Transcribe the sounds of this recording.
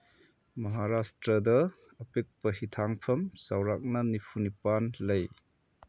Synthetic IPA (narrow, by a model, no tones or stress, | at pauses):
mɐɦaɾastɾɐdɐː | pek̚pɐɦitʰaŋpʰɐmsawɾak̚nɐnipʰunipanlɐj